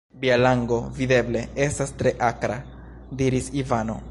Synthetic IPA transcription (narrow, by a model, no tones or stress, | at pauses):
bialaŋɡo̞vide̞ble̞e̞stastɾe̞ʔakɾa | diɾisivano̞̰